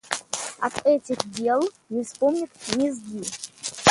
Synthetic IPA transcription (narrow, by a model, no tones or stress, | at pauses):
ɐ̰t̪ɛtʲɪxdʲe̞lˠ | nʲɪfspomnʲɪt̪mʲɪzɡʲi